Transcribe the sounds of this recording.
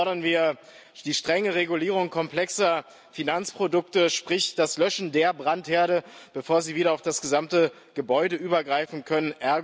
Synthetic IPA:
ɔɐɾɐnviːɐ | d̥iːʃtʁ̥ɛŋəʁeɡuliːʁ̞ʊŋkʰɔmplɛksɐ | finant͡spʁ̥odʊktəʃpʁ̥ɪçd̥aslœʃn̩deːɐbʁantheːɐɾəb̥əfoːɐziːviːɾɐaʊfd̥asɡ̥əzamtə | ɡ̥əbɔʏdəʔyːbɐɡʁaɪfn̩kʰœnənʔɛɐ

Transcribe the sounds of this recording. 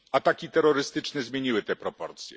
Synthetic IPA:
at̪akʲit̪ɛɾːɔɾɘst̪ɘt͡ʂnɛzmʲjeɲiwɘt̪ɛpɾɔpɔɾt̪sʲjɛ̰

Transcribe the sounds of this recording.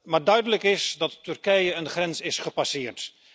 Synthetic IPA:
maːɹdœɥdələkɪsdɑtːɵrkɛjəənχrɛnsɪsχəpasɪːrt

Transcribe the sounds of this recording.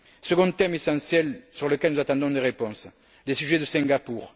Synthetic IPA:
səɡɔ̃t̪ɛmesɑ̃sjɛlsyʁləkɛlnuzat̪ɑ̃d̪ɔ̃d̪eʁepɔ̃s | lesyʒed̪əsɛ̃ŋɡapuʁ

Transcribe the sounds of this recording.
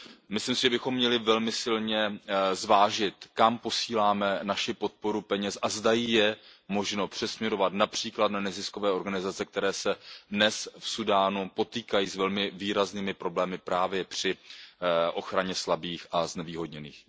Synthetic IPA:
mɪslɪmsɪʒɛbɪxo̞mːɲɛlɪvɛlmɪsɪlɲɛzvaːʒɪt̪kampo̞siːlaːmɛnaʃɪpo̞t̪̚po̞ɾupɛɲɛsʔazdajɪjɛmo̞ʒno̞pr̝̥ɛsmɲɛɾo̞vat̪napr̝̥iːklat̪nanɛzɪsko̞vɛːo̞ɾɡanɪzat͡sɛk̚t̪ɛɾɛːsɛdnɛsfsudaːnupo̞t̪iːkajiːsvɛlmɪviːɾazniːmɪpɾo̞blɛːmɪpɾaːvjɛpr̝̥ɪ | ʔo̞xɾaɲɛslabiːxʔaznɛviːɦo̞dɲɛnḭːx

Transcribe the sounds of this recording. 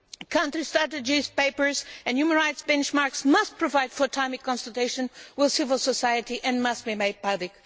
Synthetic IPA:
kʰãʊ̃ntɹistɹ̥æɾɨd͡ʒiz̥peɪpə˞zɨ̃njumə̃nɹaɪtsbɛ̃nt͡ʃmaɹksmʌst̚pʰɹɔvaɪd̥fə˞tʰãɪ̃mikɔ̃nsəlˠteɪʃɨ̃nwɪðsɪvəl̩ˠsəsajɨtiʔɨ̃nmʌst̚bimeɪd̚pʌblɪk

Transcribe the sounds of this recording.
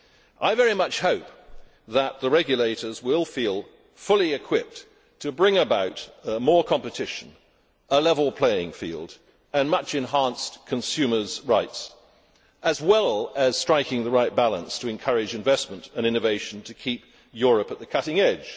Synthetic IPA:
ʔaɪvɛɹimʌt͡ʃhoʊp̚ | ðət̪̚ðəɹɛɡjɨleɪɾə˞zwɪlˠfilˠ | fʊlˠiɨkʰw̥ɪp̚ | tʰɨbɹɪ̃ŋɨbaʊɾəmɔɹkʰɑ̃mpɨtʰɪʃɨ̃n | ʔəlɛvl̩ˠpʰl̥eɪɪ̃ŋfḭlˠd | ɨ̃nmʌt͡ʃɨ̃nɦæ̃nskʰɨ̃nsʉmə˞zɹaɪts | ʔɨzwɛlˠɨz̥stɹ̥aɪkɪ̃ŋðəɹaɪt̚b̥ælˠə̰̃nstʰɨɨ̃nkʰʌɹɨd͡ʒɨ̃ɱvɛsmə̃ntɨ̃nɪ̃nɨveɪʃn̩tʰɨkʰip | jʊɹɨpɨt̪̚ðɨkʰʌɾɪ̃ŋɛd̥ʒ̥

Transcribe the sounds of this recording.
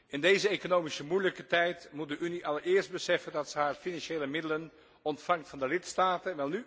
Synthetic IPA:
ɪndejzəekonowmisəmujləkətɛjtmut̚dəʔyniʔɑlˠəɹɪːɹst̚bəsɛfəndɑtsəɦaːɹfinɑnʃeːləmɪdələn | ɔntfɑŋktfɑndəlɪtstaːtənʋɛlˠny

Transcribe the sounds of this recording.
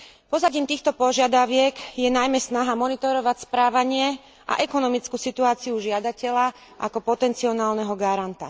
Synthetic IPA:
pɔzaɟiːmt̪iːxt̪ɔpɔʒɪad̪aʊʋɪɛkjɛnajmɛsnaɦamɔnit̪ɔɾɔʋacspɾaːʋaɲɪɛ | ʔa̰ʔɛkɔnɔmit͡skusit̪uaːt͡siuʒɪad̪acɛʎa | ʔa̰kɔpɔt̪ɛnt͡siɔnaːlnɛɦɔɡaɾant̪a̰

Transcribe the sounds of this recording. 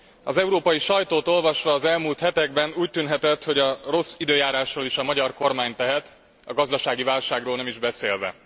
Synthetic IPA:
ɒzɛuɾoːpɒjiʃɒjt̪oːt̪o̞lvɒʃʋɒːzɛlmuːlt̪hɛt̪ɛɡbɛnuːc̚t̪ynɦɛt̪ɛt̪ho̞ɟɒro̞sid̪øːjaːɾaːʃroːliʃɒmɒɟɒrko̞rmaːɲt̪ɛɦɛt̪ | ɒ̰ɡɒzd̪ɒʃaːɡivaːlʃaːɡroːlnɛmiʒbɛseːlvɛ̰

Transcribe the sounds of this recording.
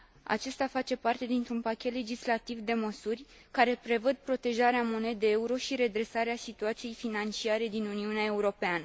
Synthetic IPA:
a̰t͡ʃe̞st̪afat͡ʃe̞part̪e̞d̪int̪ɾunpakʲe̞t̪le̞d͡ʒislat̪ivd̪e̞məsurʲ | kaɾe̞pɾe̞vəd̪̚pɾo̞t̪e̞ʒaɾeamo̞ne̞d̪eeuɾo̞ʃiɾe̞d̪ɾe̞saɾeasit̪uat̪sije̞jfinant͡ʃiaɾe̞d̪inuniuneae̞uɾo̞peanə

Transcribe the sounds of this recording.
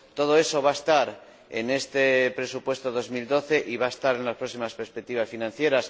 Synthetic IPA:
t̪o̞ð̞oe̞so̞β̞aest̪aɾ | ḛne̞st̪epɾe̞supwe̞st̪oðo̞zmild̪o̞θe̞ʔiβaest̪aɾe̞nlaspɾo̞ksimaspeɾspek̚t̪iβ̞asfinãn̟θje̞ɾas

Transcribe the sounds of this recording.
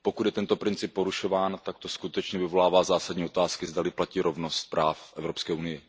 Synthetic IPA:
po̞kut̪jɛt̪ɛnt̪o̞pɾɪnt͡sɪpːo̞ɾuʃo̞vaːnt̪ak̚t̪o̞skut̪ɛt͡ʃɲɛvɪvo̞laːvaːzaːsadɲiːot̪aːskɪzdalɪplaciːɾʔo̞vno̞st̪̚pɾaːfʔɛvɾo̞pskɛːʔunɪjɪ

